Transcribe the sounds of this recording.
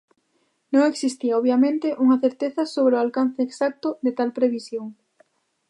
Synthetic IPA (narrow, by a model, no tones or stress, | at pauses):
nõŋeksist̪iɐoβjamẽnt̪ɪʔuŋɐθeɾt̪eθɐsoβɾeʊalkan̟θeːksak̚t̪ʊd̪et̪alpɾeβisjoŋ